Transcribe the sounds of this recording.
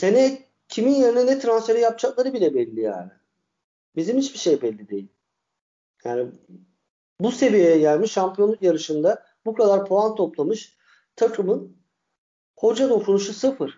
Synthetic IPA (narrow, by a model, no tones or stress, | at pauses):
senɛ | cʰiminjeɾinɛnɛt̪ʰɾansfe̞ɾɛjap̚t͡ʃʰaklˠaɾɯbilʲɛbɛlʲːija̰ːnɪ̰ | bizimhit͡ʃbiʃe̞jbɛlʲːid̪e̞̰jilʲ | ja̰ːni | buse̞vijejɛɟælʲmiʃːampijo̞nlːˠukjaɾɯʃɯnd̪a | bukʰad̪aɾpʰo̞ant̪ʰo̞plˠamɯʃ | t̪ʰakʰɯmɯn | ho̞d͡ʒad̪o̞kʰunuʃusɯfɯɾ̥